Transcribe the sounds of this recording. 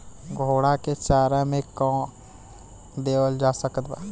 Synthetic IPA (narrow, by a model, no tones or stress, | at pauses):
ɡʱoːɽaket͡ʃaːɾãmẽkɔ̃ː | d̪eːwəld͡ʒaːsəkət̪ba̰ː